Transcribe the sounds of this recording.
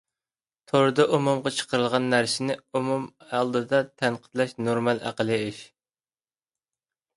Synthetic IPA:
t̪ʰoɾd̪ɨʔumumʁɑt͡ʃʰə̥qəɾɨlˠʁɑnːæɾsɪnɪumumɑlˠd̪ɨd̪ɑt̪ʰænqʰə̥t̪lɛʃnoɾmɑlˠæ̰qəlˠɨɪʃ

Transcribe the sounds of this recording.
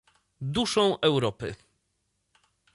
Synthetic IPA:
d̪uʂɔ̃w̃ʔɛwɾɔpɘ̰

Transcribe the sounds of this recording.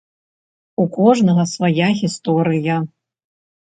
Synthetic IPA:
ukɔʐnɐɣɐsvajaɣʲist̪ɔɾɨjɐ

